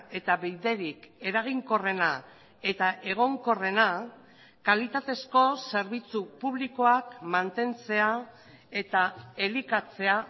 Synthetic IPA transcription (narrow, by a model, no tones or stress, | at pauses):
e̞t̪aβejðe̞ɾike̞ɾaɣ̞iŋko̞re̞na | e̞t̪aʔe̞ɣ̞o̞ŋko̞re̞na | kalit̪at̪e̞sko̞se̞ɾβ̞it͡supuβliko̞akmant̪e̞nt͡se̞a | e̞t̪ae̞likat͡se̞a